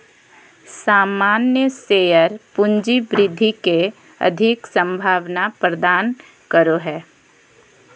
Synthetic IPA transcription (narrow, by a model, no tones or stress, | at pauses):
saːmaːnjəseːjəɾpʊɲd͡ʒibɾɪd̪ʱːike | ə̰d̪ʱɪksə̃mbʱaːʋnapɾəd̪aːn | kəɾoɦɛː